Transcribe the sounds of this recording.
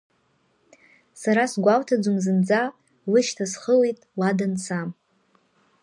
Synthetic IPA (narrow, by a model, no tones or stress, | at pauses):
saɾasɡʷawtʰad͡zumzɨnd͡za | lɨʃtʰasχəlejtʼwadansʰam